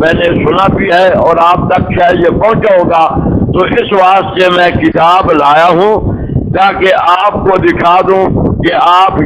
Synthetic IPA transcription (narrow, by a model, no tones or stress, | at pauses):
mɛ̃ːnesʊnabiɦɛɔːɾaːp̚t̪ɐkʃaːɦjepɐ̃ɦʊ̃t͡ʃaɦoːɡat̪oːʔɪsʋaːst̪semɛ̃kɪt̪aːblaːjaɦũː | t̪aːkeʔaːp̚kod̪ɪkʰaːd̪ũːkeaːp